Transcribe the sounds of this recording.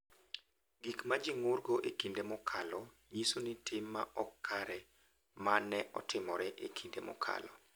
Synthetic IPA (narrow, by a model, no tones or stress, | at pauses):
ɡikmad͡ʒiŋʊrɡoʔekindemɔkʰalɔ | ɲisonɪtʰɪmːaʔɔkːaɾɛ | manɛʔɔ̰tʰɪmɔɾɛʔekʰindemɔ̰kʰa̰lɔ̰